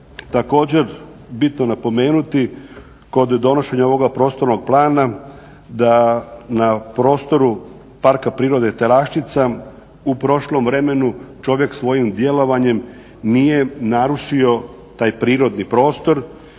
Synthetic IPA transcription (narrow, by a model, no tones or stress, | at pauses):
t̪ako̞ːd͡ʑe̞ɾ | bit̪nonapo̞me̞ːnut̪i | ko̞d̪ːo̞no̞ʃe̞ɲao̞ʋo̞ɡapɾo̞ːst̪o̞ɾno̞ɡ̚plˠaːna | d̪anapɾo̞ːst̪o̞ɾu | paɾkapɾiːɾo̞d̪et̪eɾaʃt͡ʃit̪sa | upɾo̞ʃlo̞mʋɾe̞me̞nut͡ʃo̞ʋje̞ksʋo̞jimd̪je̞lo̞ʋaɲe̞m | nije̞naɾuʃio̞ | t̪aːjpɾiːɾo̞d̪nipɾo̞ːst̪o̞ɾ